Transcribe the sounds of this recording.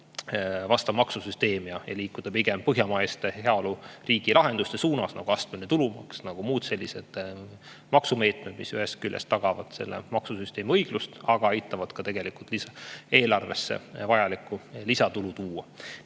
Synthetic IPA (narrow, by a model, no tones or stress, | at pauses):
vɑst̪ɑmɑksusyst̪e̞ːmijɑjɑliːkːˑud̪̥ɑpiɡ̥empɤɦjɑmɑest̪eheɑoluriːɡ̥ilʔɑɦe̞nd̪ust̪esuːnɑsnɑ̰ɡ̥uɑst̪menet̪ulumɑ̰ksnɑɡ̥umuːd̪̥se̞lʲːise̞d̪̥ | mɑksume̞ːt̪med̪misyɦe̞st̪̚kylʲjest̪ːɑɡ̥ɑvɑ̰d̪̥se̞̰lːḛmɑksusyst̪e̞ːmiɤjɡ̥lust̪ɑɡ̥ɑɑjt̪ːˑɑvɑd̪̥kɑt̪e̞ɡ̥e̞likult̪lisɑe̞ːlɑrve̞sːḛvɑjɑlikːˑulisɑt̪ulut̪uːwɑ